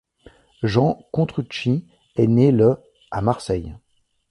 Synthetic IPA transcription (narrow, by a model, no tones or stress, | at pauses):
ʒɑ̃kɔ̃t̪χyt͡ʃi | ɛnelə | amaʁsɛj